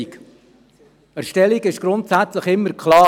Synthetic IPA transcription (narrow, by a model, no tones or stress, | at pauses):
ik | æʃtɛliɡɪʃɡ̥ɾʊntsæt͡sləχɪmːəɾkʰlɑː